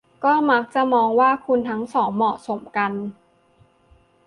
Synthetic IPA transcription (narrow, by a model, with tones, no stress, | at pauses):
kɔː˥˩ma˦˥k̚t͡ɕa˨˩mɔː˧ŋwaː˥˩kʰu˧nt̪ʰa˦˥ŋsɔː˩˦ŋmɔː˨˩so˩˦mka˧n